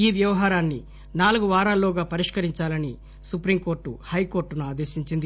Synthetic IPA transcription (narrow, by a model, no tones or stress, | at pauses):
iːʋjɐʋɐɦaːɾaːnːi | naːluɡuʋaːɾaːlːoːɡaːpɐɾiʂkɐɾiɲt͡ʃaːlɐni | supɾimko̞ːɾʈːuhɐjkoːɾʈːunuaːd̪e̞ːʃiɲt͡ʃind̪i